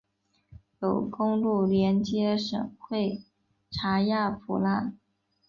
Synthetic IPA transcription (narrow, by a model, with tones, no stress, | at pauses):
jo˨˩ʊkʊ˥ŋlu˥˩ljɛ˧˥nt͡ɕjɛ˧˥ʂɤ̰˨˩ŋxwe˥˩ɪ | ʈ͡ʂʰa˧˥ja˥˩fṵ˧˩la˥˩n